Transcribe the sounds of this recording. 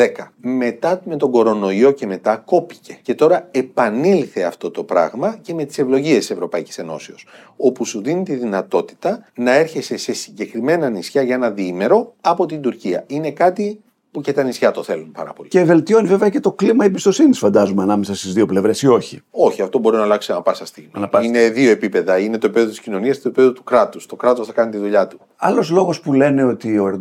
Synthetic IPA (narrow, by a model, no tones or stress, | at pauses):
ekɐme̞t̪ɐme̞t̪o̞ɡo̞ɾo̞no̞io̞ce̞me̞t̪ɐko̞pi̥ce̞̥ce̞t̪o̞ɾɐe̞pɐnilθe̞ɐft̪o̞t̪o̞pɾɐ̰ɣmɐce̞me̞t̪i̥se̞vlo̞ʝiest̪ise̞vɾo̞pɐici̥se̞no̞̰seos | o̞pusuðinit̪iðinɐt̪o̞t̪i̥t̪ɐnɐe̞ɾçe̞se̞se̞siɲɟe̞kɾime̞nɐnisçɐʝɐe̞nɐðiime̞ɾo̞ɐpo̞t̪ind̪uɾciɐ̰ine̞kɐt̪i | pucet̪ɐnisçɐt̪o̞θe̞lumpɐ̰ɾɐ̰po̞lice̞ve̞lt̪io̞nive̞veɐce̞t̪o̞klimɐiebist̪o̞siniisfɐnd̪ɐzumeɐnɐme̞sɐst̪izðio̞ple̞vɾe̞sio̞çio̞çiɐft̪o̞bo̞ɾinɐːlɐksiɐnɐpɐsɐst̪iɣnɐnɐine̞ðio̞e̞pipe̞ðɐine̞t̪o̞epipeðot̪i̥scino̞niɐst̪oipieðot̪u̥kɾɐt̪ust̪o̞kɾɐt̪o̞sθɐkɐnit̪iðuʎɐt̪u̥ | ɐ̰lo̞zlo̞ɣo̞spule̞ne̞o̞t̪ioɾ